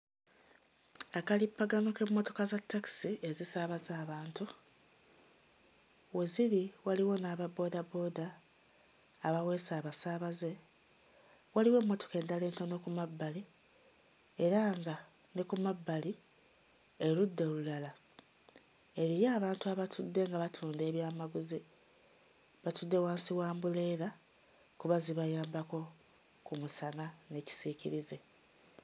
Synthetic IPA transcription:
akalipːaɡano̞ke̞mːo̞to̞kazatːaki̥siezisaːβazaːβaːntu | weziɾiwaliwo̞naːβabo̞ːdabo̞da | βawe̞ːsaːβasaːβaze̞ | waliwe̞ːmːo̞toke̞ːndale̞ːnto̞no̞kumabːali | eɾaŋɡa | nekumabːali | eludːe̞olulala | eɾijaːβaːntuaβatʰudːe̞ŋɡaβatʰuːnde̞ːβjaːmaɡuzi | βatud̪ːe̞waːnsiwaːmbuleːɾa | kuβaziβajaːmbako̞ | kumusanane̞ːci̥siːciɾize̞

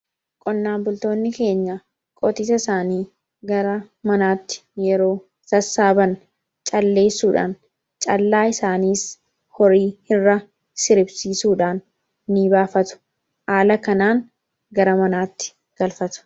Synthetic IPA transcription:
kʼɔnːaːmbʊlt̪o̞ːnːɪke̞ːɲːɐ | kʼɔt̪ɪsɐɪsaːniː | ɡɐɾɐ | mɐnaːt̪ːɪ̥jɛɾo̞ː | t̪ɐsːaːbɐn | t͡ʃʼɐlːe̞ːsuːᶑa̰ːn | t͡ʃʼɐlːaːɪsaːniːs | hɔɾiːhɪrːɐ | sɪɾɪbsiːsuːᶑaːnː | iːbaːfɐt̪ʊ̥ | haːlɐkɐnaːŋ | ɡɐɾɐmɐnaːt̪ːɪ̥ | ɡ̥ɐlfɐt̪ʊ̥

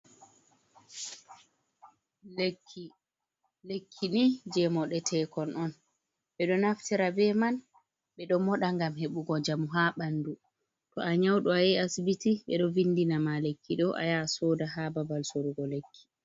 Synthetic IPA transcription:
lekʰːi | lekʰːinid͡ʒɛmɔɗɛtʰɛkɔnʔɔn | ɓɛɗɔnaftiɾabɛman | ɓɛɗɔmɔɗaŋɡamheɓuɡɔd͡ʒamuɦaɓandu | tɔaɲawɗɔajɛasbitiɓɛ̰ɗɔvinːdinamalekːiɗɔʔa̰jasɔːdaɦababalsoɾuɡɔlekʰːi̥

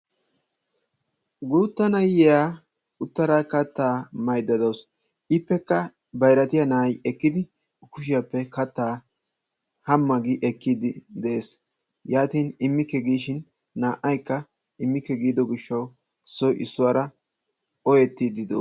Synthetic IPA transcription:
ɡuːt̪ːɐnɐjɛjaː | ʊt̪ːɐɾakɐt̪ːaːmɐjd̪ːɐd̪oːs | ʔɪpːɛkːɐ | bɐjɾɐt̪ɪjanɐjɛkːɪd̪ɪ | kʊʃɪjapːɛkɐt̪ːaː | hɐmːɐɡɪʔɛkːiːd̪ɪd̪ɛeːs | jaːt̪iːnɪmːɪkːɛɡiːʃɪnː | aːʔːɐjkːɐ | ɪmːɪkːɛɡiːd̪ɔɡɪʃːɐw | ɪsːɔjʔɪsːʊwaɾɐ | ɔjɛt̪ːid̪ɪd̪o̰

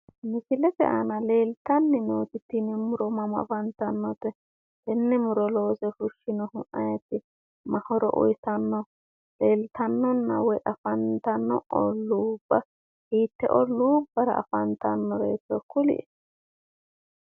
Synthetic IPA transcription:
mɪsɪlɛfɛ̰ʔɐnɐle̞ːlt̪ɐnːɪnoːt̪ɪt̪ːinɪmʊɾɔmɐmɐ̰fɐnt̪ɐnːɔt̪ɛ | d̪ɛnːɛmʊɾɔlo̞ːsɛfʊʃːɪnɔhʊʔʔɐjɛt̪ːɪ | mɐhɔɾɔ̰ʔɔ̰jsɐnːɔ | leːlt̪ʰɐnːɔnːɐ̰wɔjʔɐfɐnt̪ɐnːɔ̰ʔɔ̰luːbːɐ | hiːt̪ːɛʔɔluːbːɐɾɐ̰ɐ̰fɐnt̪ɐnːɔɾeːt͡sːɔkʊlɪ̰ʔɛ

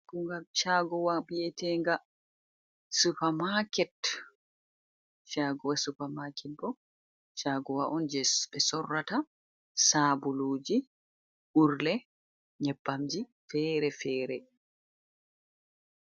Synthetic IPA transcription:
kuŋɡamt͡ʃaɡɔwabiɛtɛŋɡa | supamakɛt | ʃaːɡɔwasupamakʰɛt̚bɔ | t͡ʃaɡɔwaʔɔnd͡ʒɛbɛsɔrːata | saːbuluːd͡ʒi | ʔuɾlɛ | ɲɛbːamd͡ʒifɛːɾɛfɛːɾɛ

